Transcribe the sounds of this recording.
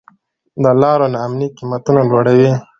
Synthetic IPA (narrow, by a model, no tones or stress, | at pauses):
d̪əlɑɾonaːmniqimat̪unalwaɽawi